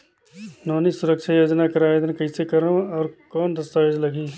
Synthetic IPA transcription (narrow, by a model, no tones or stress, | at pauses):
nɔːnisʊɾəkʃʰajoːd͡ʒnakɐɾaːʋed̪ənkɐĩsekəɾõɔːɾkɔːnd̪ɐst̪aːed͡ʒlɐɡiː